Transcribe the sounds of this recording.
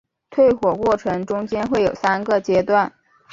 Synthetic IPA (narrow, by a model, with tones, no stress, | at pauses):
t̪ʰwe˥˩ɪxwɔ˨˩kwɔ˥˩ʈ͡ʂʰɤ˧˥ŋʈ͡ʂʊ˥ŋt͡ɕjɛ˥nxwe˥˩ɪjo˨˩ʊsa˥nɡə˥˧t͡ɕjɛ˥t̪wa˥˩n